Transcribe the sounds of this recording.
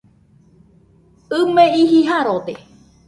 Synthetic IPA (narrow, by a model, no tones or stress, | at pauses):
ɨmeiɦiɦaɾot̪e